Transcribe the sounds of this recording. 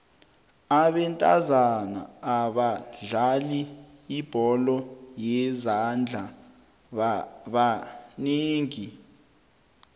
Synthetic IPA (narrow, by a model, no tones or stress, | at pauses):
aɓɛntʼa̰zana̰ːɓaɮaliː | b̥ʱɔlɔjɛzand͡ɮʱa | ɓaneːŋi